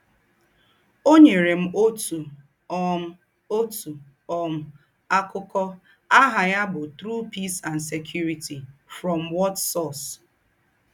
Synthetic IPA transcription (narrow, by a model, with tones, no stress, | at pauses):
o˦ɲe˨ɾe˨m̩˦o˦tu˨ | ɔ˦˨˦ | o˦tu˨ | ɔ˨m̩˨ | a˦kʊ˦kɔ˦ | a˦ɦa˨ja˦bʊ˨tɾu˦pi˦sa˨nse˨kʰju˦ɾi˨ti˨fɾɔ˨mwɔ˦tsɔ˦˨s